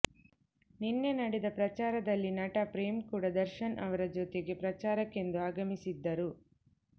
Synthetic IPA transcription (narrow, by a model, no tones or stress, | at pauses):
ninːe̞nɐɽɛd̪ɐpɾɐt͡ʃaːɾɐd̪ɐlːinɐʈɐpɾeːmkuːɽɐd̪ɐɾʃɐnʔɐʋɐɾɐd͡ʒot̪eɡe̞pɾɐt͡ʃaːɾɐkːe̞nd̪uaːɡɐmisid̪ːɐɾu